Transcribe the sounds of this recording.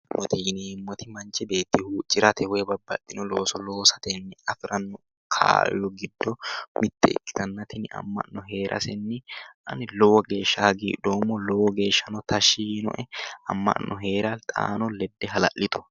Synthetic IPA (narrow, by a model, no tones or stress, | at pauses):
mɔt̪iːnimːɔt̪ɪmɐnt͡ʃːɛbe̞ːt̪ːɪhuːt͡ʃʼːɪɾɐt̪ʰɛwɛbɐbːɐ̰t̪ːɪnɔlo̞ːsɔlo̞ːsɐ̥t̪ɛnːɛɐfɪɾɐnːɔ | kʰa̰ːjɔɡɪd̪ːɔmɪt̪ːɛ̰ɪ̰kːɪ̥t̪ɐnːɐt̪ɪnɪɐ̰mːɐ̰ʔnːɔɦe̞ːɾʔɐ̰sɛnːɛʔɐ̰nɪlɔwɔɡe̞ːʃːɐɐɡḭːᶑoːmːɔlɔwɔɡe̞ːʃːɐnɔt̪ɐʃːiːnɔ̰ʔɛɐ̰mːɐ̰nʔɔɦe̞ːɾɐlt̪ʼa̰ːnɔlɛd̪ːɛɦɐlɐ̰ʔːɪt̪ɔ̥